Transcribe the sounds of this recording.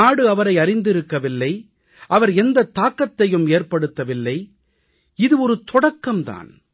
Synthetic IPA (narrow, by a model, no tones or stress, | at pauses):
aːɽɯɐʋɐɾɐɪɐɾɪnd̪ɪɾɯkːɐʋɪlːɐɪ | ʔɐʋɐɾɛnd̪ɐt̪ːaːkːɐt̪ːɐjɯmeːrpɐɽɯt̪ːɐʋɪlːɐɪ | ɪðɯɔɾɯt̪ɔɽɐkːɐmt̪a̰ːn